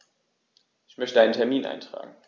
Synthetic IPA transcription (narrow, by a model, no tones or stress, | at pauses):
ʔɪçmœçtədaɪnəntʰɛɐmiːnʔa̰ɪntʁ̥a̰ːɡŋ̩